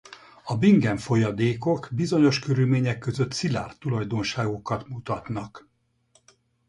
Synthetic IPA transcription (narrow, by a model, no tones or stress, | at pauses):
ɒbiŋɡɛɱfo̞jɒd̪eːko̞kbizo̞ɲo̞ʃkøɾylmeːɲɛkːø̞zø̞t̪sila̰ːrt̪ulɒjd̪o̞nʃaːɡo̞kɒt̪mut̪ɒt̪nɒk